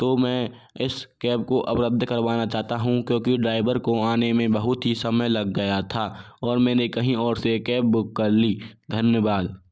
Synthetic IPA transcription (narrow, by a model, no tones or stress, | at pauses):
t̪oːmɛ̃ː | ɪskɛːp̚koʔɐpɾəd̪ʱːkɐɾʋaːnat͡ʃaːɦt̪aɦũkjõːkiɖɾaːɪʋəɾkoaːnemẽbɐɦʊt̪ɦisɐməjlɐɡːɐjat̪ʰaːɔːɾmɛ̃ːnekɐɦĩɔːɾsekɛːp̚bʊkːɐɾliːd̪ʱənjəʋaːd̪